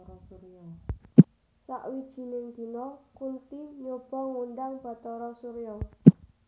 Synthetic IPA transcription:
ɾɔsuɾjɔ | sa̰ʔwid̥ʒ̥i̤nɪŋd̪̥i̤nɔkunt̪iɲob̥ɔ̤ŋunɖaŋb̥a̤t̪ɔɾɔsuɾijɔ

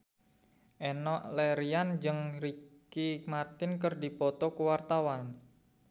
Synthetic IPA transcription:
ʔɛnɔʔlɛɾiand͡ʒɨŋɾikimart̪ɪnkərdipɔt̪ɔkəwart̪awan

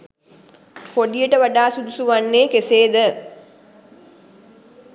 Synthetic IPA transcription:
poɖijəʈəʋaɖaːsud̪usuʋanːeːkeseːd̪ə

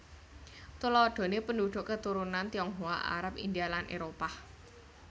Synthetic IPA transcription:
t̪ulɔɖ̪̥o̤nepənduɖ̪̥ʊ̤ʔkət̪uɾunant̪iɔŋɦoa̰ʔa̰ɾapḭnd̪ialanʔḛɾopa

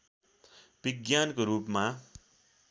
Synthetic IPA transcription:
b̥iɡjankoɾuːpma

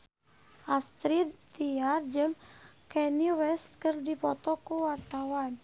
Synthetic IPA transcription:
ʔast̪ɾit̪iard͡ʒəm | kɛniwɛst̪̚kərdipɔt̪ɔkuwart̪awan

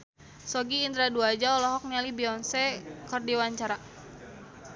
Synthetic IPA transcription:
sɔɡiːnd̪ɾaduad͡ʒaɔlɔɦɔk̚nialibiɔnsɛkərdiwaɲt͡ʃaɾa

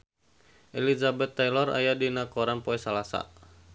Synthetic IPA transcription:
ʔɛlizabɛt̪ːajlɔra̰jadinakɔɾanpɔɛsalasa̰

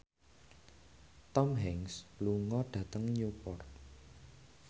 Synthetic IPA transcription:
t̪ɔmɦɛŋsluŋɔɖ̥ä̤t̪əŋɲupɔrt̚

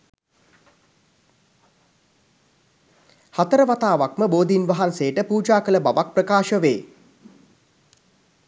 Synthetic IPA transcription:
hat̪əɾəʋat̪aːʋakməboːd̪inʋaɦanseːʈəpuːd͡ʒaːkələbaʋak̚prəkaːʃəʋeː

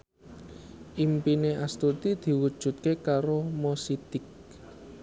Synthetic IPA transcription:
ʔimpineʔast̪ut̪id̪̥i̤wud̥ʒ̥ṳt̪̚kekaɾomosit̪ɪk

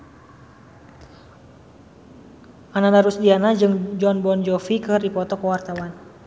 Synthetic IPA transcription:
ʔanadaɾusdianad͡ʒɨŋd͡ʒɔnbɔnd͡ʒɔfikɨrdipɔt̪ɔkwart̪awan

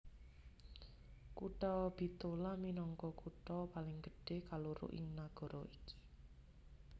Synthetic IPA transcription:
kuʈɔb̥i̤t̪olaminɔŋkɔkuʈɔpalɪŋɡ̥ə̤ɖ̥e̤hkaloɾʊ̰ʔɪ̰ŋnaɡ̥ɔ̤ɾɔʔiki̥

